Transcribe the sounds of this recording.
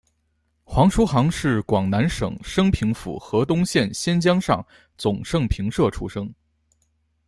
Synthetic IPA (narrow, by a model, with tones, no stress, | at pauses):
xwɑ˧˥ŋʂu˧˥xɑ˧˥ŋʂɻ̩˥˩kwɑ˨˩ŋna˧˥nʂɤ̰˨˩ŋʂɤ˥ŋpʰi˧˥ŋfṵ˨˩xɤ˧˥t̪ʊ˥ŋɕjɛ˥˩nɕjɛ˥nt͡ɕjɑ˥ŋʂɑ˥˩ŋ | t͡sʊ˨˩ŋʂɤ˥˩ŋpʰi˧˥ŋʂɤ˥˩ʈ͡ʂʰṵ˧˥ʂɤ˥ŋ